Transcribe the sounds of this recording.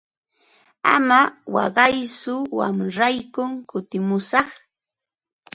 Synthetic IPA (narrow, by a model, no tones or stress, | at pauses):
a̰mawɑ̰ɢɑjsʊwa̰mɾajkʊŋkʊt̪ɪmʊsɑχ